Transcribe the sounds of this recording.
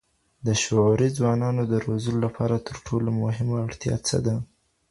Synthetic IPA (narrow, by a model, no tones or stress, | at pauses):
d̪əʃoɑɾid͡zwɑnɑnod̪əɾozəlolapʰɑɾat̪ʰəɾʈʰolomʊɦɪmaaɽt̪jɑ̰t͡sə̰d̪a